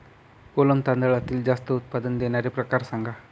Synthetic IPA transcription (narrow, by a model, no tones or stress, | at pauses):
koləmt̪ãnd̪əɭat̪ild͡ʒast̪əut̪̚pad̪ənd̪enaɾepɾɐkaɾsaŋɡʱa